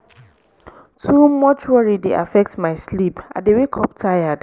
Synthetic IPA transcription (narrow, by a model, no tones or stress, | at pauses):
tʰumɔt͡ʃuaɹideʔa̰fɛk̚tmaɪslipʔa̰dewekʰɔp̚tʰajad̥